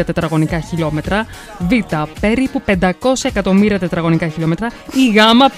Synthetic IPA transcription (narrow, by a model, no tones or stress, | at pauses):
ɐt̪e̞t̪ɾɐɣo̞nikɐçilo̞me̞t̪ɾɐ | vit̪ɐpe̞ɾipupe̞nd̪ɐko̞sɐekɐt̪o̞miɾiɐt̪e̞t̪ɾɐɣo̞nikɐçilo̞me̞t̪ɾɐiɣɐmɐp